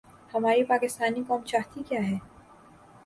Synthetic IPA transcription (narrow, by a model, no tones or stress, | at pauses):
hɐmaːɾipaːkɪst̪aːnikɔːmt͡ʃaːɦt̪ikjaːɦɛː